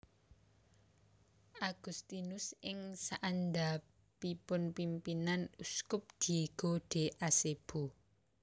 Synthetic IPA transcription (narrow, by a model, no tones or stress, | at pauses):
ʔaɡ̥ṳst̪inʊsɪŋsaʔanda | pipʊnpimpinanuskʊp̚d̪̥i̤ɡ̥oɖ̥e̤ʔaseb̥o